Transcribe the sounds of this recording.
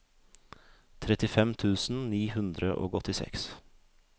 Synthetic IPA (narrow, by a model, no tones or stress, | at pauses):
t̪ʰɾɛt̪ɪfɛmt̪ʰʉːsn̩niːhʉnd̪ɾəʔo̰ːɡɔt̪ɪsɛ̰ks